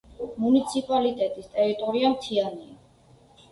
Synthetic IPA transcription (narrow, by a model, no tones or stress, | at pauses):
munit̪sʰipʼalit̪ʼɛt̪ʼist̪ʼɛɾit̪ʼɔɾiamt̪ʰiania